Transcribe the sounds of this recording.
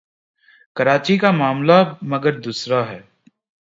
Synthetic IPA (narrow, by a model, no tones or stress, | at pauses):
kɐɾaːt͡ʃikamaːmlamɐɡəɾd̪uːsɾaɦɛː